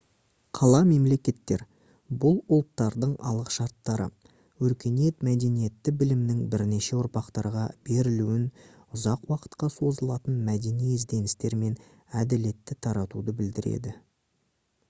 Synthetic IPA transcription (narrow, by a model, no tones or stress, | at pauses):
qʰɑlˠɑme̞mle̞kʲe̞t̪ːe̞̰ɾ | bʊlˠʊlˠt̪ːɑɾd̪əɴɑ̰lˠəqʃɑɾt̪ːɑɾə̰ | wɵɾkʲe̞nije̞t̪mæd̪e̞nije̞t̪ːɪbɪlɪmnɪŋbɪɾne̞ʃe̞ʊɾpɑqt̪ɑɾʁɑb̥e̞ɾɪluwɪn | ʊzɑqwɑqə̥t̪qɑso̞zəlˠɑt̪ənmæd̪e̞nijezd̪e̞nɪst̪e̞ɾme̞n | æd̪ɪle̞t̪ːɪt̪ʰɑɾɑt̪ud̪əbɪld̪ɪɾe̞̰d̪ɪ